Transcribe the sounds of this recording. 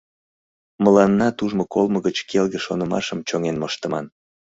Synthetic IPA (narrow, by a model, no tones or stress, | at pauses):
məlɑnːɑt̪uʒmokolməɣət͡ɕkʰelɣeʃonəmɑ̰ʃəmt͡ɕoŋenməʃt̪əmɑ̰n